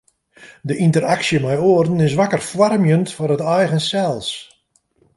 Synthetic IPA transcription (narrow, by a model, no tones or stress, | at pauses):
dəʔintəraksjəmɛjoərdn̩ɪsʋakərfwarmjəntfʊrətɛjɣənsɛlˠs